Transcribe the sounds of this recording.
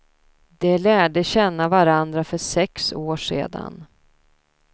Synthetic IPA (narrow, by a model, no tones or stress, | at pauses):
d̪ɛlæːɖəɕɛnːavaɾand̪ɾafœʂɛksoːʂḛːd̪a̰n